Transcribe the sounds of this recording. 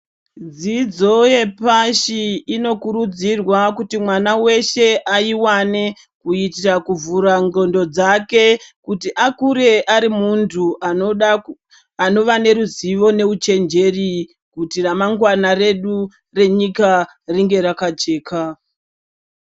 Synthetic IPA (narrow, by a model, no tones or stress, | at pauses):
d͡zid͡zo̞je̞paʃiino̞kuɾud͡zirwakutimwanawe̞ʃe̞ʔaiwane̞ | kuitirakuvuɾaŋɡo̞ndo̞d͡zake̞kutiʔakuɾe̞ʔaɾimuntʰu | ano̞ʋane̞ɾuziʋo̞ne̞ut͡ʃe̞nd͡ʒe̞ri | kutiramaŋɡwanare̞ɗu | re̞ɲika | riŋɡe̞ɾakat͡ʃe̞ːkʰa